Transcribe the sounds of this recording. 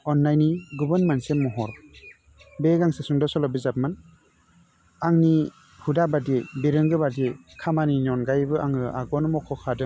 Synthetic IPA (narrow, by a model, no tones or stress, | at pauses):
ɔnːajniɡubɯnmansemːɔɦɔɾ | beɡaŋsesuŋdɔsɔlɔbizap̚man | aŋni | hudabadibeɾɯŋɡɯbadi | kʰamaninɔnɡajbɯʔaŋɯʔa̰ɡɔnmɔkʰɔkʰadɯ